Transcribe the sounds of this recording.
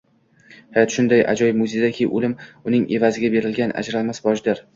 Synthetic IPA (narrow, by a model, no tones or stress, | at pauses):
hajɒt̪ʃʊnd̪ajʔa̰d͡ʒɒjmʊzed̪akʲʰijʔolɪmʊnɪŋe̞vazɪɡʲabe̞ɾɪlɡʲanʔa̰d͡ʒɾalmasbɒʃd̪ɪɾ